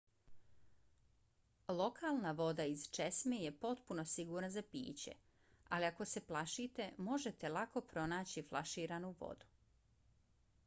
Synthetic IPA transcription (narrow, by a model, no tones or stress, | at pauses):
lˠo̞kʰaːlˠnaʋo̞d̪aizt͡ʃesmeje̞po̞t̪punosiɡuːɾnazapḭːt͡ɕe̞̰ | aliako̞se̞plˠaʃiːt̪e̞mo̞ʒe̞t̪elˠako̞pɾo̞naːt͡ɕiflˠaʃiːɾaːnuʋo̰d̪u̥